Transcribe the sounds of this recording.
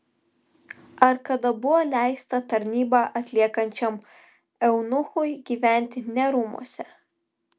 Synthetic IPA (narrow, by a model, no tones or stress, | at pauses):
ɐɾkɐd̪ɐbʊʋolʲæˑɪst̪ɐt̪ɐɾʲnʲiːbɑʔɐt̪ʲlʲiɛkɐnʲt͡ʃʲɛm | ɛʊnʊxʊjɡʲiːʋʲæˑnʲt̪ʲɪnʲɛɾʊmṵɔsʲɛ